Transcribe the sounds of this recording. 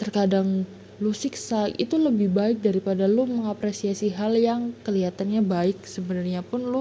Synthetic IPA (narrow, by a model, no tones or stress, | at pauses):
t̪ərkadaŋ | lusiksaḭt̪uləbɪhbaɪk̚daɾipadaloməŋapɾesiasiɦaljaŋkəliɦat̪anɲabaɪk̚səbənarɲapʊnlo